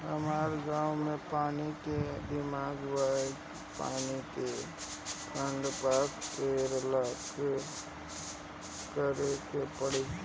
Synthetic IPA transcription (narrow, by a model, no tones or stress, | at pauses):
ɦəmaːɾɡaːʊmepaːniked̪ɪmaːɡwae | pa̰ːnike | kʰəɳɖpakpeɾlak | kəɾekepəɽi